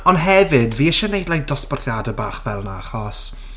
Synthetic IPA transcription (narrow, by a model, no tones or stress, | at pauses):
ɔnɦɛvɨdviːəʃɛnejdlajdɔspɔrθjadabaːχvɛlˠnaaχɔs